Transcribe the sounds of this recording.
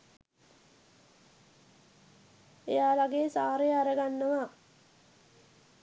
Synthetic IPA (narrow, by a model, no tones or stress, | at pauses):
ejaːlaɡejəsaːɾejaɾəɡanːəʋa